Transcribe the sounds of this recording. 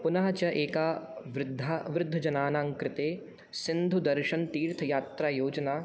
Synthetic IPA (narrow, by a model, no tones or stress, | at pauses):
pʊnaːɦɐt͡ʃɐʔeːkaːʋɾɪd̪ʱːaːʋɾɪd̪ʱːɐd͡ʒɐnaːnãːŋkɾɪt̪eː | sɪnd̪ʱud̪ɐɾʃɐnt̪iːɾt̪ʰɐjaːt̪ɾaːjoːd͡ʒɐnaː